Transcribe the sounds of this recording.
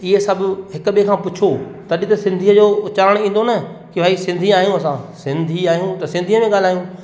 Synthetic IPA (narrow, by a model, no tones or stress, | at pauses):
ɪɦesɐbʱʊɦɪkʊɓekʰãːpʊt͡ɕʰo | t̪ɐɗɪt̪ɐsɪ̃nd̪ʱiːəd͡ʑoʊt͡ɕaːɾəɽ̃ĩːn̆d̪onɐ | kiʋaːisɪ̃nd̪ʱiaːijũɐsãːsɪ̃nd̪ʱiaːijũt̪ɐsɪ̃nd̪ʱiːəmẽɠaːl̤aːjũ